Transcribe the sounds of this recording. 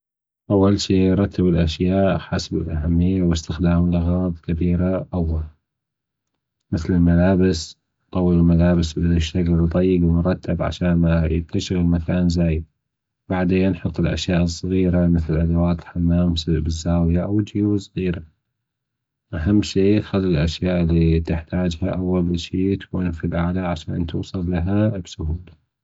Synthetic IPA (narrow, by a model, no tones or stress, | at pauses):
ʔawːalʃiːɾˤɑt̪ʰːabɪlʔaʃjaːʔħasbɪlʔaɦamːɪjːawɪst̪ɪxd̪aːmlɪɣɑːðˤkabiːɾaʔawːal | mɪθlɪlmalaːbɪs | t̪ˤːɑwːəlɪmalaːbɪsbɪʃːakld̪ˤɑjːɪɡwɪnɾˤɑt̪ʰːabʕa̰ʃaːnmajɪ̰t̪ʰːaʃɪɣɪlmakʰaːnzaːjɪd̪̚ | baʕd̪eːanħʊt̪ˤːɪlʔa̰ʃjaːʔɨsˤːɣiːɾamɪθlɪlʔad̪awaːt̪ɪlħamːaːmsɪbɪzːaːwjaʔawd͡ʒjuːsˤɣiːɾa | ʔaɦamːʃiːxalːɪlʔaʃjaːʔlːit̪ɪħt̪aːd͡ʒhaʔawːalʃiːt̪ḁkuːnfilʔaʕlaʕaʃa̰ːnt̪uːsˤɨlːaɦabsʊhuːla